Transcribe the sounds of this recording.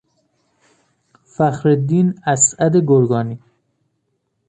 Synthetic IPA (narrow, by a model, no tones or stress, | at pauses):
fæxɾed̪iːnæsæd̪eɡoɾɡɒːniː